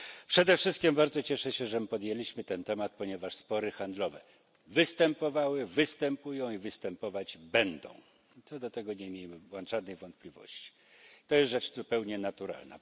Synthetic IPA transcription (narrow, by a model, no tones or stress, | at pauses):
pʂɛd̪ɛfʂɘst̪̚kʲimbaɾd̪zɔt͡ɕɛʂɛɕɛʐɛmpɔd̪jelʲiɕmɘt̪ɛnt̪ɛmat̪̚pɔɲɛvaʂspɔɾɘxand̪lɔvɛ̰ | vɘst̪ɛmpɔvawɘvɘst̪ɛmpujɔ̃w̃ivɘst̪ɛmpɔvad͡ʑbɛnd̪ɔ̰̃w̃ | t̪sɔd̪ɔt̪ɛɡɔɲɛmʲjeimwanʐad̪nɛjvɔnt̪̚plʲivɔ̰ɕt͡ɕi̥ | t̪ɔjɛst̪ʐɛt͡ʂzupɛwɲɛnat̪uɾa̰lna̰